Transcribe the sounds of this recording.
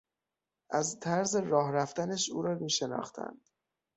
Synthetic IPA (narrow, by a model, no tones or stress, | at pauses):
ʔæzt̪ʰæɾzeɾɒːɦɾæft̪ænæʃuːɾɒːmiːʃe̞nɒ̰ːxt̪ʰæ̰nd̪̥